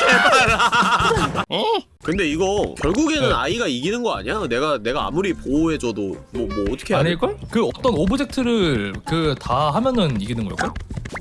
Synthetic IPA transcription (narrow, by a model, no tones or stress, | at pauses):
kɯnde̞iɡʌkjʌɭɡuɡe̞nɯna̰iɡaiɡinɯnɡʌa̰ɲiane̞ɡane̞ɡaa̰muɾipoɦe̞d͡ʑʌdomwʌmwʌːtʰʌkʰe̞ɦanek͈okɯʌt͈ʌnobɯd͡ʑe̞k̚tʰɯɾɯɭkɯtaɦamjʌnɯniɡinɯnɡʌ̰k͈ojo